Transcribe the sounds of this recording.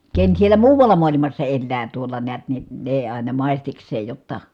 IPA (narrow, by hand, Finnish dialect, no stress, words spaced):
ken sielæ muːʋɑlˑɑ muɑlimɑsːɑ elːæː tuolˑɑ neæt ni neˑ ɑˑi̯nɑ mɑˑistiksˑeːj jotːɑ